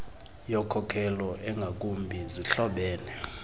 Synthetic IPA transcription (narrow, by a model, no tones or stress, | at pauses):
jɔkʰɔkʰɛlɔʔɛŋɡʱak̬ʼumbʱiziɬɔɓɛːnɛ